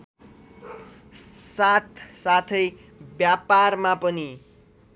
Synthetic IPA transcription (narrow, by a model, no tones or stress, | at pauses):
sat̪ʰsat̪ʰʌj | bjaparmapʌni